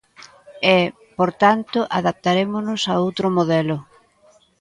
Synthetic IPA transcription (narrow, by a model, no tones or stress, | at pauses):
ɛ | poɾt̪ant̪ʊʔaðap̚t̪aɾemʊnʊsaowt̪ɾʊmoðɛlʊ